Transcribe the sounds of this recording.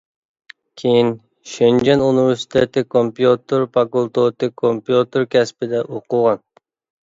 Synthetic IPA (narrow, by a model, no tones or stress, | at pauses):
kʲʰejin | ʃend͡ʒɛnuniveɾsi̥t̪ʰet̪ɪkʰompjut̪ɨɾpɑkulˠt̪ot̪ɨkʰompjut̪ɨɾkʲʰɛspɪd̪ɛʔoqʊʁɑn